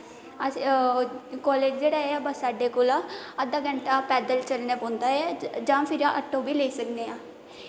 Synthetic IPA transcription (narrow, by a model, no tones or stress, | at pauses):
ə | kɔːleːd͡ʒd͡ʒeːɽaːeaːbəsːaːɖeːkoːlaːəd̪aːɡə̃ɳʈaːpɛːd̪əlt͡ʃəlneːpõːnd̪aːɛːd͡ʒãːpʰɪɾaʔəʈʰːõːbiːleːisəkneːãː